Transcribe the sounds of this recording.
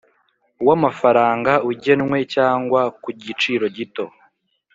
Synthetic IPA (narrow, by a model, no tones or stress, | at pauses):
wamafaɾaːŋɡauɟe̞nŋwe̞caːŋɡwakuɟit͡ʃiːɾo̞ɟito̞